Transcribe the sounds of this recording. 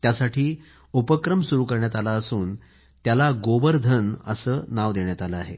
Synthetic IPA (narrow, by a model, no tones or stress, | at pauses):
t̪jasaʈʰiː | upəkɾəmsuɾuːkəɾɳjat̪alaəsuːn | t̪jalaɡoʋəɾd̪ʱənə̰səːnaʋd̪eɳjat̪aləaɦe